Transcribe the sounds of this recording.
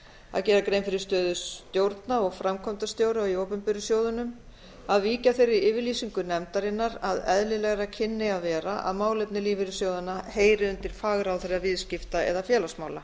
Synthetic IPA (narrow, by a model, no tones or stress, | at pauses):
a̰ðcɛːɾakɾẽjnfɪɾɪst̪œːðʏst̪jowɾt̪naɔɣfɾamkʰɔmt̪ast̪jowɾʏaioːwpʏmpɪɾʏsjoːwðʏnʏm | aðviːcaθejɾːɪɾɪːvɪɾliːsiŋkʏnɛmt̪aɾɪnːaɾaðɛðlɪlɛɣɾacʰɪnːɪaðvɛːɾaʔa̰ðmaːwlɛp̚nɪliːvɪɾɪsjoːwðʏnaheːjɾɪʏnt̪ɪɾ̥faːɣɾawθaɾɪavɪðscɪft̪aɛ̰ðafjɛːlasmaːwla